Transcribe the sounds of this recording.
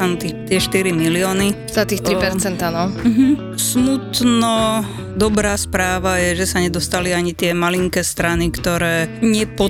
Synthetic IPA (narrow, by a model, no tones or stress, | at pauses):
anut̪ixt̪ɪɛʃt̪iɾimilɪɔːni | zat̪iːxt̪ɾipɛɾt͡sɛnt̪anɔm̩ɦm̩ | smut̪nɔ | d̪ɔbɾaːspɾaːʋajɛʒɛsaɲɛd̪ɔst̪aliaɲit̪ɪɛmaliŋkɛːst̪ɾanikt̪ɔɾɛːɲɪɛpɔ